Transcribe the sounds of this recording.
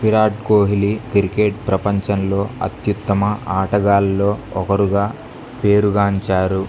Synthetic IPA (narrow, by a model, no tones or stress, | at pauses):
piɾaːʈ̚koːɦilikɾikeːʈ̚pɾɐpɐɲt͡ʃɐnlo̞ːɐ̰t̪jut̪ːɐmɐaːʈɐɡaːlːo̞ːɔkɐɾuɡaː | pe̞ːɾuɡaːɲt͡ʃaːɾu